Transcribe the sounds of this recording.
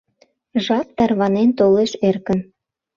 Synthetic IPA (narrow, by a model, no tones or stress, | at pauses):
ʒɑt̪ːɑrβɑnent̪oleʃerkən